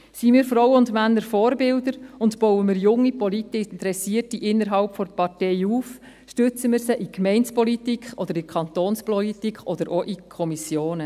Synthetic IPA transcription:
simiːɾfɾɔwəʊndmænːəɾfɔːɾbɪldəɾʊndb̥ɔwəmɪːɾjʊŋːipɔlit̪ɪntəɾɛsiətiʔɪnːəɾɦɑlpfɔrpɑrtɛɪuːf | ʃtʏt͡səmɪːɾsəʔikmɛɪnspɔlitikχɔd̥̪əɾikʰɑnt̪oːnspɔlitikχɔd̪əɾʔɔʔikʰɔmisjoːnə

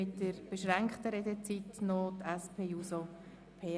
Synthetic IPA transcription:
ɪtːəɾb̥əʃɾɛŋkχtəɾɛdɛt͡sitnotɛspʰeːjuso | pʰeː

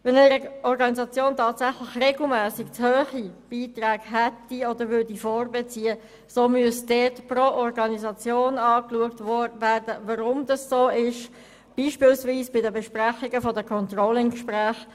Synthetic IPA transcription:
ʋɛnɛɾəɔɾɡɑnizɑt͡sjoːntʰɑːtsæχlɪxreɡl̩mæːsɪkt͡shøːχib̥iːtræːɡɦɛtːiɔdəɾʋʏɾdifɔːrbɛt͡siːə | soːmyəsd̥ɛtproʔɔrɡɑnizɑt͡sjoːnɑːkluəktʋɔdvæːdəvɑɾʊmdɑssoːɪʃ | b̥iːʃpɪːlsviːsb̥ɪdəbɛʃpræχɪɡəfɔdəkʰɔntrolɪnkʃpræːχ

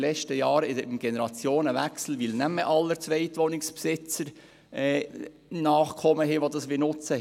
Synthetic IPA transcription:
lɛt͡ʃtəjɑːɾɪdmɡ̥ɛnəɾɑt͡sjoːnəʋæksl̩ʋilnæmːəʔɑlːəɾt͡sʋɛɪt̪ʋonɪkspsɪt͡səɾ | ɛː | nɑːχkʰɔməɦɪːʋod̪ɑsʋɪnʊt͡sə

